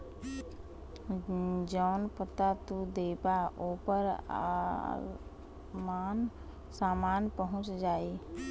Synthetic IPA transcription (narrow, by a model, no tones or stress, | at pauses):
d͡ʒəːnpət̪at̪ud̪eːbaʔoːpəɾa̰ | maːn | saːmaːnpəɦʊ̃t͡ʃd͡ʒaːi